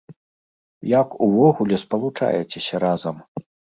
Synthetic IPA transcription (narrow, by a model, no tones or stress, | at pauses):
jakuvɔɣulʲɛspɐlˠut͡ʂa̰jɛt͡sʲɛsʲɐɾazɐm